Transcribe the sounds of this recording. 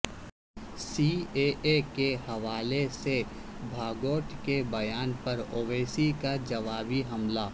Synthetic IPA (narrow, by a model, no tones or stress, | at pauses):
sieːʔekehɐʋaːlese | bʱaːɡoːʈkebɐjaːnpɐɾoːʋeːsikad͡ʒɐʋaːbiɦɐmla